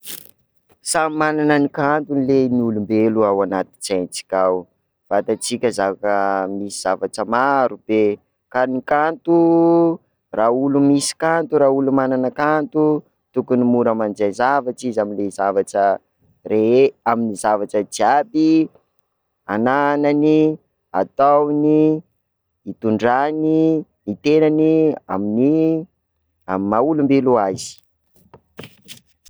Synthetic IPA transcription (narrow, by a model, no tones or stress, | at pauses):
samimananənikant̪unileniulumbeluawanat̪i̥t͡sant͡si̥kʲaw | v̥at̪at͡sikʲəzavakəmisiz̥avaʈ͡ʂəmaɾub̥e | kanikant̪u | raulumisi̥kant̪uɾaulumananəkant̪u | t̪ukunimuɾamand͡ʒanzavaʈ͡ʂizaminlezavaʈ͡ʂə | reaminizavaʈ͡ʂəd͡ʒiabi | ananani | a̰t̪awniː | t̪uɳɖ͡ʐani | it̪enania̰mini | ammaulumbeluazi̥